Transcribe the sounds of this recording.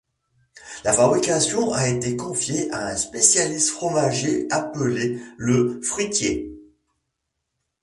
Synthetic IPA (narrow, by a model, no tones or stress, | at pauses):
lafabʁikʲasjɔ̃ʔaet̪ekɔ̃fjeʔaɛ̃spesjalist̪fχɔmaʒeapəleləfχit̪je